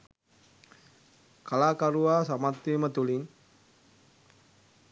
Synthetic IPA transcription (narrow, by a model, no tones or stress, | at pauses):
kalakaɾuasamat̪ːimət̪uliŋ